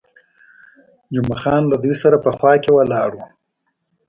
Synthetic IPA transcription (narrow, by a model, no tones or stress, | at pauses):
d͡ʒʊmaxɑːnlad̪ujsaɾapəxwɑkewalɑɽu